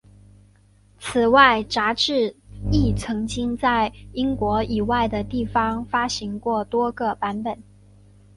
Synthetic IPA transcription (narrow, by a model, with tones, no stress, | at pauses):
t͡s̩ʰ˨˩wa˥˩ɪt͡sa˧˥ʈ͡ʂɻ̩˥˧i˥˩t͡sʰɤ˧˥ŋt͡ɕi˥ŋt͡sa˥˩ɪi˥ŋkwɔ˧˥i˨˩wa˥˩ɪd̪ə˩t̪i˥˩fɑ˥ŋfa˥ɕi˧˥ŋkwɔ˥˩t̪wɔ˥ɡə˨pa˧˥npə˨˩˦n